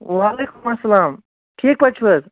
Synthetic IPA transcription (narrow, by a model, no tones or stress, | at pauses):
ʋaːleːkumɐsːɐlaːm | ʈʰiːk̚pɐt͡ʃʰbəz